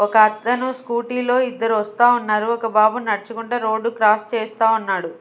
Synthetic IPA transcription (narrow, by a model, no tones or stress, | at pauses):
ɔkɐːt̪ːɐnuskuːʈiːlo̞ːid̪ːɐɾuʋɐst̪aːunːaːɾuɔkɐbaːbunnɐɽit͡ʃukuɳʈɐːɾo̞ːɖːukɾaːst͡ʃeːst̪aːunːaːɽu